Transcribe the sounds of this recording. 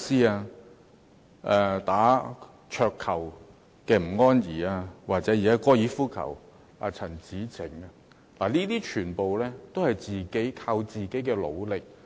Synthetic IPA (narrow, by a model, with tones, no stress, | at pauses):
siː˥aː˧ | ʔɛː˧t̪aː˨˥ | t͡ʃʰœː˧kʰːɐ˨˩w | kɛː˧m̩˨˩ŋɔː˥njiː˨˩aː˧waː˨k̚t͡sɛː˨˥ji˨kaː˥kɔː˥jiː˨˥fuː˥kʰɐ̰˨˩w | aː˧t͡sʰɐ˨˩nt͡siː˨˥t͡sʰɪ˨˩ŋaː˧ | laː˨˩liː˥t̪iː˥t͡ʃʰyː˨˩npo˨wlɛː˥t̪o˥whɐ˨jt͡siː˨ke˨˥jkʰaː˧wt͡siː˨ke˨˥jkɛː˧lo̰˨˧wlɪ˨k̚